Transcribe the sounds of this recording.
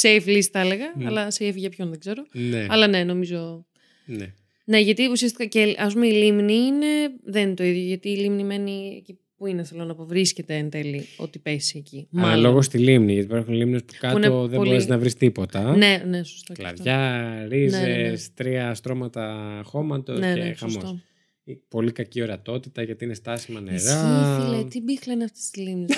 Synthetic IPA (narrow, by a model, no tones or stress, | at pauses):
seeflisθɐle̞ɣɐːlɐseefʝɐpçonðeɡze̞ɾo̞neɐlɐne̞no̞mizo̞ | ne | ne̞ʝɐt̪iusiɐst̪ikɐceɐspumeilimniine̞ðennnt̪o̞iðjoʝɐt̪iːlimnime̞niḛci | puineθelonɐpovɾisce̞t̪eɐnt̪elio̞̰t̪ipe̞siecimɐlo̞ɣost̪ilimniʝɐt̪ipeɾxunlimnespu̥kɐnoðeɾezinɐvɾist̪ipo̞t̪ɐneneso̥st̪ollɐ̰vʝɐɾizest̪ɾiɐst̪ɾo̞mɐt̪ɐxo̞mɐt̪osneeexɐmsoso | ipo̞likɐcio̞ɾɐt̪o̞t̪it̪ɐʝɐt̪iinest̪ɐsimɐneɾɐlet̪ibixlɐnɐft̪e̥st̪izlimni